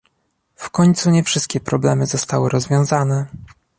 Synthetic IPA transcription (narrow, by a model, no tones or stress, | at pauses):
fkɔɲt̪suɲɛfʂɘst̪kʲɛpɾɔblɛmɘzɔst̪awɘɾɔzvʲjɔ̃w̃zanɛ